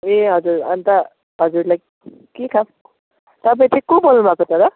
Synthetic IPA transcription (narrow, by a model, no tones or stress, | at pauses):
eɦʌd͡zuɾʌnt̪a | ɦʌd͡zuɾlaj | kekʰam | t̪ʌp̬aj̃t͡sʰĩkõbolnubʱakot̪ʌɾʌ